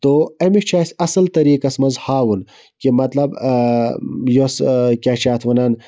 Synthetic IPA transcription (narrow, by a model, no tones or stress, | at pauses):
t̪oːɐmit͡ʃʰaːsʲɐsɐlt̪ɐɾiːkɐsmɐzhaːwun | kimɐt̪lɐb | joskʲaːt͡ʃaːt̪ʰʋɐnaːn